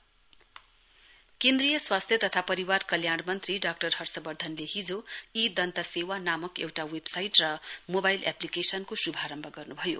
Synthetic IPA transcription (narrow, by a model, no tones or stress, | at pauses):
kẽnd̪rijʌswast̪ʰjʌt̪ʌt̪ʰapʌɾiwarkʌljaɽmʌnt̪riɖak̚ʈʌrhʌrsʌbʌrd̪ʱʌnlehid͡zoid̪ʌnt̪asewanamʌkḛwʈawebsajʈrʌmobajla̰plikesʌnkosubʱaɾʌmbʱʌɡʌrnubʱʌjo̰